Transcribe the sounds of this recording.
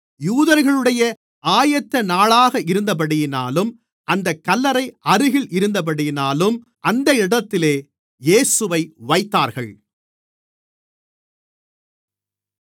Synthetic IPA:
juːðɐɾɣɐɭɯɽɐjɐ | aːjɐt̪ːɐnaːɭaːɣɐɪɾɯnd̪ɐp̬ɐɽɪjɪnaːlɯm | ʔɐnd̪ɐkːɐlːɐɾɐɪʔɐɾɯɣɪɭʔɪɾɯnd̪ɐp̬ɐɽɪjɪnaːlɯm | ʔɐnd̪ɐɪɽɐt̪ːɪleː | jeːsɯʋɐɪʋɐɪt̪ːaːɾɣɐɭ

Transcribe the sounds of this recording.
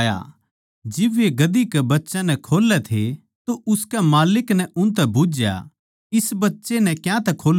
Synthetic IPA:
ja̰ | d͡ʒɪbeɡɐd̪ikɛbɐtːʃãnɛkʰoːlːɛt̪ʰe | t̪oʔʊskɛmaːlɪknɛʔʊnt̪ɛbʊd͡ʒja̰ | ɪsbɐtːʃenɛkjãt̪ɛkʰoːl

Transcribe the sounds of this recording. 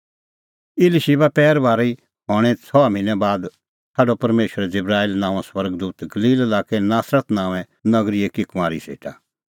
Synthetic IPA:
ɪlʃibapɛːɾbaːɾi | ɦɔːɽ̃ɛ̃t͡sʰɔamɪ̃nɛbaːd̪ | sʰaːɖopɐɾmeːʃəɾɛd͡zɪbɾaːilnãːʋãswɐɾɡd̪uːt̪ɡɐliːlɐlaːkɛnaːsɾət̪nãːʋɛ̃ | nɐɡɾiekikʊmãːɾḭsḛːʈʰa̰

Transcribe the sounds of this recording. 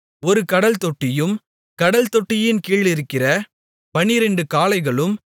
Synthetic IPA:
ɔɾɯkɐɽɐlt̪ɔʈːɪjɯm | kɐɽɐlt̪ɔʈːɪjɪnkiːɭɪɾɯkːɪrɐ | pɐnɪɾɛɳɖɯkaːlɐɪɣɐɭɯm

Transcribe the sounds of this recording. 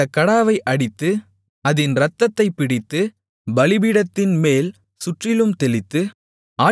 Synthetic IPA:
ɐkːɐɽaːʋɐɪʔɐɽɪt̪ːɯ | ɐðɪnɾɐt̪ːɐt̪ːɐɪpːɪɽɪt̪ːɯ | bɐlɪbiːɽɐt̪ːɪnmeːl | sʊʈrɪlɯmt̪ɛlɪt̪ːɯ | aː

